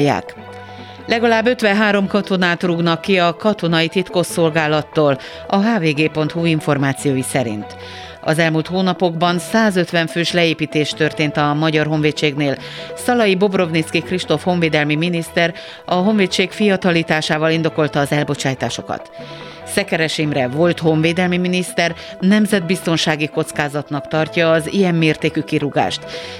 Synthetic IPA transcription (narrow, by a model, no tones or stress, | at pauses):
jːa̰ːk | lʔɛɡɒlaːbːøt̪ʋɛɦaːɾo̞mkɒt̪o̞naːt̪ruɡnɒkːiɒkɒt̪o̞nɒjit̪it̪ko̞sːo̞lɡaːlɒt̪ːoːl | ɒɦaːveːɡeːpo̞nt̪huːiɱfo̞rmaːt̪sijoːjisɛɾḭnt̪ | ɒ̰zɛlmuːlt̪hoːnɒpo̞ɡbɒnsaːzø̞t̪ʋɛɱføːʃlɛeːpiːt̪eːʃt̪ørt̪eːnt̪ɒmɒɟɒrɦo̞ɱveːt̪ʃeːɡneːl | sɒlɒjibo̞bro̞vnit̪skikriʃt̪o̞fho̞ɱveːd̪ɛlmiminist̪ɛr | ɒɦo̞ɱveːt̪ʃeːkfijɒt̪ɒliːt̪aːʃaːvɒlind̪o̞ko̞lt̪ɒːzɛlbo̞t͡ʃaːjt̪aːʃo̞kɒ̰t̪ | sɛkɛɾɛʃimrɛvo̞lt̪ho̞ɱveːd̪ɛlmiminist̪ɛr | nɛmzɛd̪̚bist̪o̞nʃaːɡiko̞t̪skaːzɒt̪nɒkt̪ɒrcɒːzijɛmːeːrt̪eːkykiɾuɡa̰ːʃt̪